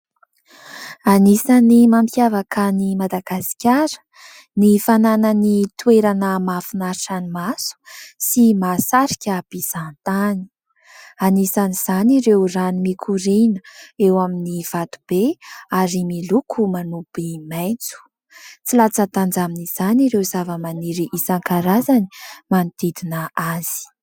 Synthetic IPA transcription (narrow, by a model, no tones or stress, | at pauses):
anisanimampʰjavakʰanimad̪aɡasi̥kʲaɾə̥ | nifanananit̪ueɾanəmafinaɾiʈ͡ʂanimasu̥simasaɾikʲab̥iz̥ant̪ani̥ | anisaniz̥aniɾewranimikʰuɾenəewaminiv̥at̪u̥b̥eaɾimilukʰumanupimajnt͡su̥ | t͡silat͡sat̪and͡zaminiz̥aniɾewzavəmaniɾiʔisaŋkaɾazani̥manit̪id̪inəaz̥i̥